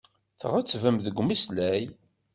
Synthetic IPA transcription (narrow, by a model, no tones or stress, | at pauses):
θə̰ʁæt͡sːvæmðəɡʷːmislæj